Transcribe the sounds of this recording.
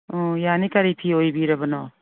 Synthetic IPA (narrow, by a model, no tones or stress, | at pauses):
ɔjanikaɾipʰiojbiɾɐbɐnɔ